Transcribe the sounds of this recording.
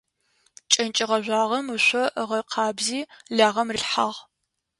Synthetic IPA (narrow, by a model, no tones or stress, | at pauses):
t͡ʃʼɐnt͡ʃʼɪʁɐʒʷɑːʁɐmɨɕʷɔʔʁɐqʰɑːbziːɮaːʁɐmrɨɬħaʁ